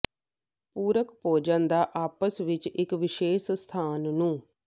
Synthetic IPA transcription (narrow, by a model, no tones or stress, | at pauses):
puːɾəkpoːd͡ʒə̃nd̪aːʔaːpəsʋɪt͡ʃɪkʋɪʃeːsst̪ʰaːnːũː